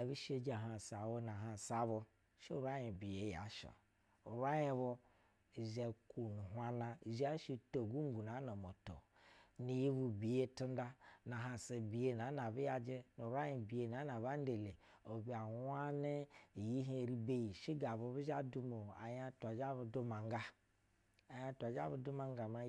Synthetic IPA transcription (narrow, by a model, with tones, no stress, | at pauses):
a˨βi˦ʃe˦d͡ʒa˨ɦa˨sa˨wo˦n˨a˨ɦa˨sa˨βo˦ | ʃe˦u˦˨ɾa˦jĩ˨bi˨je˨˦ja̰˨˦ʃo̰˨ | u˨ɾa˦je˦βo˦˨ | ze˨ku˨nu˨ɦwa˦na˦˨za˦ʃi˦to˨ɡu˦ɡu˨na˨˦no˨mo˨to̰˨ | ni˨ji˦βu˨bi˨je˦tu˦n˦da˦na˨ɦa˨se˨bi˨je˦na˨˦na˨bi˦ja˨d͡ʒe˦nu˨ɾa˦ji˨bi˨e˨na˨˦na˨βa˦n˦de˨le˨ | o˨bi˦a˨wʷa˦ne˦˨ji˦ɦi˦˨ɾi˦be˦ji˨ʃi˦ɡa˨bu˨˦βu˦ʒa˦du˦mo˨a̰˨ja˦ta˨d͡ʒa˦βu˨du˦ma˨ŋ˦ɡa˦ | a˨ja˦tʷa˨d͡ʒa̰˦βu˨˦du˦ma˨ŋ˦ɡa˨ma˦